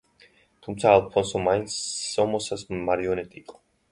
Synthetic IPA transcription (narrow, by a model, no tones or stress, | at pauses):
t̪ʰumt̪sʰaːlˠpʰɔnsɔmaint̪sːɔmɔsasmaɾiɔnɛt̪ʼiːqʼɔ̥